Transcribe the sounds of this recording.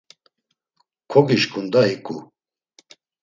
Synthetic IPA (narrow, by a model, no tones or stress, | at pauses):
kʰɔkiʃkʰʼund̪aɦikʼu